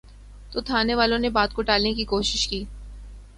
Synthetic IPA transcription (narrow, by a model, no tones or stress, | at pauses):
t̪ot̪ʰaːneʋaːlõnebaːt̪̚koʈaːlnekikoːʃɪʃkiː